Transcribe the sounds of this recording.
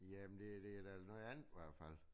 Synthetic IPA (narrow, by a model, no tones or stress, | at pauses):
jæmend̥e̝d̥e̝æd̥ælnɔð̩ˠænð̥ˠiʋæɐ̰d̥fæl̰